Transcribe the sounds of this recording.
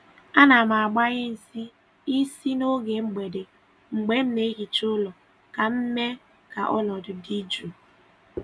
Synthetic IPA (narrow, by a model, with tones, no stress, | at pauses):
a˦na˨m˨a˨ɡ͡ba˦ɣɪ˦n̩˨si˦ | i˦si˦no˦ɡe˨ŋ͡m̩˦ɡ͡be˨de˨ | ŋ͡m̩˨ɡ͡be˦m̩˦me˦ɣi˨t͡ʃʊ˦lɔ˨ | ka˨m̩˦me˦ | ka˨ʔɔ˦nɔ˨dʊ˨di˦d͡ʒu˨